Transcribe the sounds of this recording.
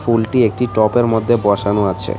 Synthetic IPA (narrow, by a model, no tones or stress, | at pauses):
fulʈiek̚ʈiʈɔpeɾmod̪ʱːebɔʃanoat͡ɕʰḛ